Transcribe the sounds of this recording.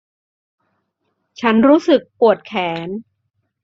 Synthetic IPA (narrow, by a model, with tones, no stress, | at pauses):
t͡ɕʰa˦˥nɾuː˦˥sɯ˨˩k̚pu˨˩ət̪̚kʰɛː˩˦n